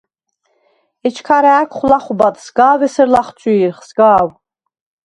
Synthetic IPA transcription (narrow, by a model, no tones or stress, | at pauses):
ɛt͡ʃʰkʰaɾaːkʷʰχlaχubat̪ʰsɡaːvɛsəɾlaχt͡ʃʰʼiɾχsɡaːw